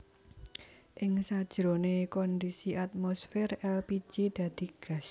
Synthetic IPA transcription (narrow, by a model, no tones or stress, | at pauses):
ʔɪŋsad̥ʒ̥ɾonekɔnd̪isiʔat̪̚mosfɛrɛlpi̥d͡ʒ̥id̪̥ä̤d̪̥i̤ɡ̥a̤s